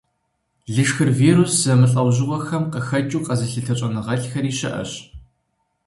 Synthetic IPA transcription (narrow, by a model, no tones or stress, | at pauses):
ɮɨʂxɨrviːɾuszɐmɨɬʼɐwʑɪwɔxɐmqəxɐt͡ʃʼuːqɐzɨɬɨtʰɐt͡ʃʼɐnɨʁɐɬxɐɾiːɕɪ̰ʔɐ̰ɕ